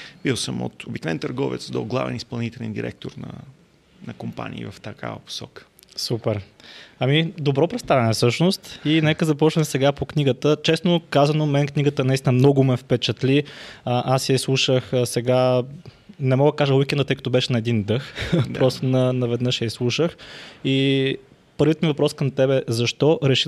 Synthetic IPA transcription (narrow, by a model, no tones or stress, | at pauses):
b̥ilˠsəmo̰t̪obiknvɛnt̪əɾɡɔvɛ̰t̪sd̪oɡlˠa̰vɛ̰nispɐlˠnit̪ɛlɛnd̪ḭɾʔɛ̰k̚t̪oɾnɐ̰ | nɐkompa̰nʲḭːvɐft̪ɐka̰vəpo̥sɔkə̥ | supɛɾɐmid̪obɾɔpɾɛtst̪avɛnɛfsɤʃnost̪inɛkəzɐpɔt͡ʃnɛmsɛɡapokniɡət̪ət͡ʃɛsnokazɐnomɛnkniɡət̪ənɐist̪inəmnɔɡʊmɛfpɛt͡ʃət̪liəʔasɛslˠuʃəxsɛɡa | nɛmɔɡd̪əkaʒəwuikɛnd̪ət̪ɤəjkət̪ɔbɛʃɛnɐɛd̪ind̪ɤxpɾɔst̪onɐnɐvɛd̪nɤʃjɛslˠuʃəxi | pəɾvʲit̪mivɐpɾɔskəmt̪ɛbɛzɐʃt̪ɔɾɛʃi